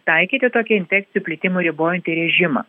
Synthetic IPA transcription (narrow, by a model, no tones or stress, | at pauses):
t̪ɐɪkʲiːt̪ʲɪt̪oːkʲɛɪnʲfʲɛk̚t̪sʲɪjuːpʲlʲɪt̪ʲɪmʊɾʲɪboːjɛnʲt̪ʲiɾʲɛʒʲɪmɐ̰ː